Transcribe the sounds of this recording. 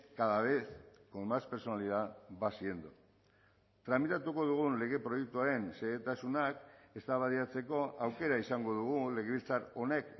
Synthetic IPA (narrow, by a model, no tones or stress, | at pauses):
kaðaβe̞skomaspe̞ɾso̞naliðaβasie̞nd̪u | t̪ɾamit̪at̪uko̞ðuɣ̞unle̞ɣ̞e̞pɾo̞jek̚t̪uaɾe̞nseɣet̪asunake̞st̪aβaðiat͡se̞ko̞awke̞ɾaisaŋɡo̞ðuɣ̞ule̞ɣeβilt͡saɾo̞ne̞k